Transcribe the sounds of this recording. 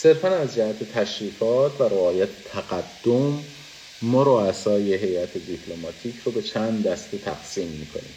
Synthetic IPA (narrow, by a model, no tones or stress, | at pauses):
se̞ɾfænæzd͡ʒæhæt̪ʰe̞t̪ʰæʃɾiːfɒːt̪ʰvæɾeɒːjæt̪ʰe̥t̪ʰæɡæd̪̥ːomː | ɒːɾoæsɒːjeɦe̞jæt̪ʰe̞d̪iːpʰlomɒːt̪ʰiːcʰɾobe̞t͡ʃʰænd̪d̪æst̪et̪ʰæ̰ɡ̥siːmːiːkʰo̞̰nḭːm